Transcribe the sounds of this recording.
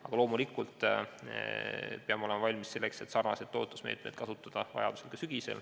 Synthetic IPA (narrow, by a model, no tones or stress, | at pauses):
ɑɡ̥ɑlo̞ːmulikːˑult̪ | peɑmeolemɑvɑlʲmisse̞lːekse̞t̪sɑrnɑsed̪o̞̰ːt̪ˑːusmeːt̪̚ˑmed̪̥̚kɑsut̪ːˑɑd̪̥ɑvɑ̰jɑd̪uselkɑsyɡ̥ise̞̰l